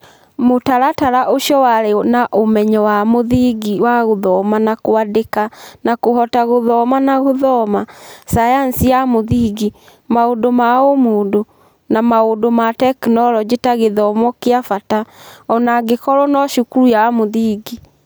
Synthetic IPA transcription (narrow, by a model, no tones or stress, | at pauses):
motaɾataɾaʔoʃjɔwaɾenaʔomɛɲɔwamoðiɡiwaɣoðɔmanakoadekanakoɦɔtaɣoðɔmanaɣoðɔmasajansiamoðiɡi | maodomaomodo | namaodomatɛknɔɾɔd͡ʑetaɣeðɔmɔkeafataɔnaɡekɔɾɔnɔʃukuɾujamoðiːɡi